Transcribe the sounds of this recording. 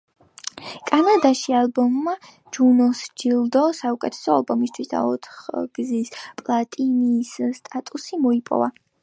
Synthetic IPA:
kʼanad̪aʃialˠbɔmːa | d͡ʒunɔsd͡ʒilˠd̪ɔsaukʼɛt̪ʰɛ̥sɔa̰lˠbɔmist̪ʰwisd̪a̰ɔt̪ʰχɡ̥zispʼlˠat̪ʼinisst̪ʼat̪ʼusimɔipʼɔ̰va

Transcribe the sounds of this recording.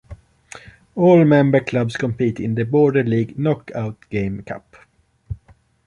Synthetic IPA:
ɔːlmɛ̃mbə˞kʰlʌbskʰɔ̃mpiːt̪ɪ̰̃nðəbɔːɖəliːɡnɔkʰaʊt̪ɡ̥ẽɪ̃mkʰa̰p

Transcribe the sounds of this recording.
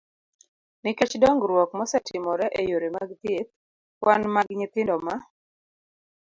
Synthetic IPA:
nɪket͡ʃdɔŋɡɾwɔkmɔsɛtʰɪmɔɾɛʔejoɾemaɡt̪jet̪̚ | wʔanmaɡɲɪt̪ɪndɔma

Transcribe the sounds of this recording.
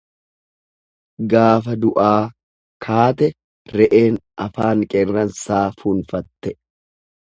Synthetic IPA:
ɡaːfɐd̪ʊʔaː | kʰaːt̪ɛ | ɾɛʔe̞ːnʔɐfaːŋkʼɛrːɐnsaːfuːnfɐt̪ːɛ

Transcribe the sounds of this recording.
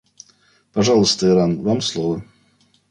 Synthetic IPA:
pɐʐalˠəst̪əɪɾanvamslˠovə

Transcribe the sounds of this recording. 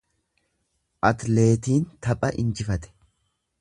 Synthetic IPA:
ʔɐt̪le̞ːt̪iːnt̪ɐpʼɐʔɪ̰nd͡ʒɪfɐt̪ɛ̥

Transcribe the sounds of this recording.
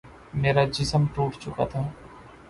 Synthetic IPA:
meːɾad͡ʒɪsəmʈuːʈt͡ʃʊka̰t̪ʰa

